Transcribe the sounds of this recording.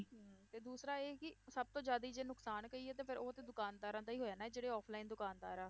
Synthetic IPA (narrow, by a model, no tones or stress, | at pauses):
ɦt̪eːd̪uːsɾaːeːkɪsəb̚t̪õːd͡ʒjaːd̪iːd͡ʒeːnʊksaːnkəiːɛːt̪eːpʰɪɾoːət̪eːd̪ʊkaːnd̪aːɾãːd̪aːiːɦoːjaːnaːd͡ʒeːɽeːɔːpʰlaːiːnd̪ʊkaːnd̪aːɾãː